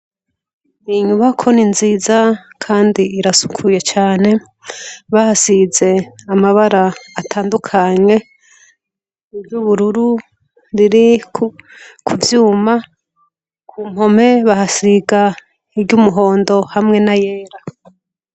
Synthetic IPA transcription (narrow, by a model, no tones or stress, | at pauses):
niɲuβakʰo̞ninzizakʰaːndiiɾasu̥kʰuje̞t͡ʃaːne̞ | βahasize̞amaβaɾaːtʰaːndukʰaɲe̞ | ibɟuβuɾuɾu | ɾiɾikukʰuvjuːma | kʰuːm̥ho̞me̞βahasiɡa | ibɟumuɦo̞ːndo̞hamŋe̞naje̞ːɾa